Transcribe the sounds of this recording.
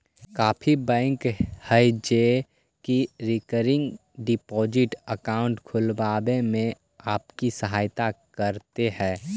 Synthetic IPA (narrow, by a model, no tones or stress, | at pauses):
kaːfʰibɛ̃ːŋkhəid͡ʒe | kiɾɪkəɾɪ̃ŋɡ | ɖɪpɔːd͡ʒɪʈəkaːʊ̃ɳʈkʰʊlbaːbẽmẽ | aːpkisəɦaːjt̪akəɾt̪eɦɛ̃ː